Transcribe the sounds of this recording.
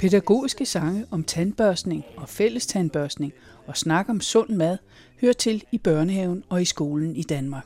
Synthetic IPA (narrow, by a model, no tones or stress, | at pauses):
pʰe̝dæɡ̥o̝̰ːisɡ̥əsɑ̈ŋəʔɒ̽mt͡sʰænb̥œɐsne̝ŋɒ̽fel̰əst͡sʰænb̥ɶɐsne̝ŋ | ɒ̽snɑ̈ɡ̥əɒ̽msɔ̽n̰mæð̰ˠ | høːɐt͡sʰe̝lib̥ɶɐnəheʊn̩ɒ̽isɡ̥o̝ːln̩id̥ænmɑ̈ːɡ̥